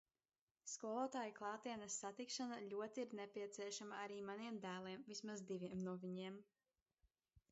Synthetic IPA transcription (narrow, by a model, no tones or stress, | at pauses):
skuɔlˠɔːt̪aːjiklˠɑːt̪iɛnɐsːat̪ikʃanaʎʲuɔt̪iiɾnɛpʲiɛt̪siɛʃamaaɾiːmaniɛmd̪æːlˠiɛmvismazd̪ivʲiɛmnuɔvʲiɲiɛm